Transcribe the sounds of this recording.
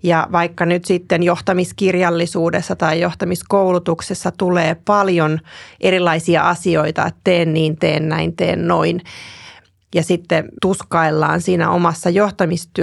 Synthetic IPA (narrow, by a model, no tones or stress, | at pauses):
jɑʋɑikːɑnyt̪sit̪ːenjoht̪ɑmiskirjɑlːisuːdesːɑt̪ɑijjoht̪ɑmiskoulut̪uksesːɑt̪uleːpɑljonʔerilːɑisiɑ̰ʔɑsioit̪ɑ̰ett̪eːnniːnt̪eːnnæint̪ḛːnnoin | jɑsit̪ːet̪uskɑilːɑ̰ːnsiːnæ̰ʔo̰mɑsːɑjoht̪ɑmist̪y